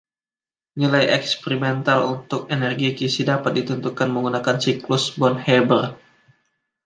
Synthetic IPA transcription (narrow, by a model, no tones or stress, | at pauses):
nilajʔɛkspeɾimɛnt̪alunt̪ʊkenɛrɡikisidapat̪̚dit̪unt̪ukanməŋɡunakansiklʊsbɔnhɛbər